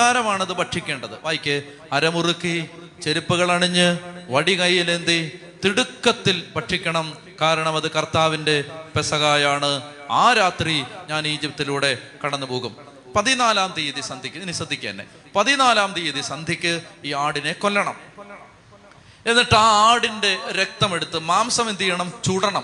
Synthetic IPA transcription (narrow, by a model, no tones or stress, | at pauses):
aːɾɐmaːɳɐðɨpɐʈʂikʲːe̞ːɳɖɐðɨʋaːjkʲːɨ | ɐɾɐmurukːi | t͡ɕe̞ɾupːuɣɐɭɐɳiɲːɨʋɐɽikɐjːilend̪i | t̪iɽukːɐt̪ːilpɐʈʂikʲːɐɳɐm | kaːɾɐɳɐmɐðɨkɐrt̪aːʋinde̞pesɐɣaːjaːɳɨaːɾaːt̪riɲaːniːd͡ʑipt̪ːiluːɽe̞kɐɽɐnːɨpoːɣum | pɐðinaːlaːmd̪ijiðisɐnd̪ʱikʲːɨnisɐd̪ʱːikʲːḛːnːḛ | pɐðinaːlaːmd̪ijiðisɐnd̪ʱikʲːɨiːaːɽine̞kolːɐɳɐm | e̞nːiʈːɨaːaːɽinde̞ɾek̚t̪ɐme̞ɽut̪ːɨmaːmsɐmend̪ʱijɐɳɐmt͡ɕuːɽɐɳɐm